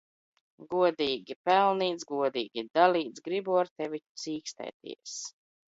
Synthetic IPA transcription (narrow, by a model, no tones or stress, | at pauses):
ɡuɔd̪iːɡʲipɛlˠniːt̪sɡuɔd̪iːɡʲid̪aliːt̪sɡɾibuaɾt̪ɛvʲisiːkst̪ɛ̰ːt̪ḭɛs